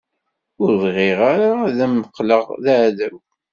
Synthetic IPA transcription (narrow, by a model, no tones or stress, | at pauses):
ʊɾðˤʁɪʁaɾaðæmːəqləʁðaʕðæw